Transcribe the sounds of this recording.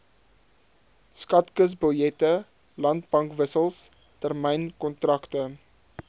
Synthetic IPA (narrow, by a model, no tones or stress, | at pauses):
skɐtkəs̬bəljɛtə | lɐntbɐŋkvəsəlˠs | tərmɛjnkɔntrɐktə